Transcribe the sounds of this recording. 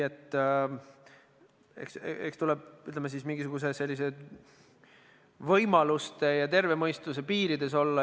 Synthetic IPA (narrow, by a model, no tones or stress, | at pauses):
et̪ˑː | ḛksḛkst̪ulɛb̚yt̪lɛmes̬ismiŋɡ̥is̬uɡ̥us̬ese̞lʲːise̞d̪̥ | vɤjmɑlust̪e̞jɑt̪e̞rve̞mɤjst̪use̞piːɾid̪e̞so̞lːɑ